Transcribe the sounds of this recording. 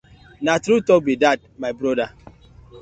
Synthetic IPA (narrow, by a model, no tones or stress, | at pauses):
natɾutɔk̚bidad̚maɪbɾɔda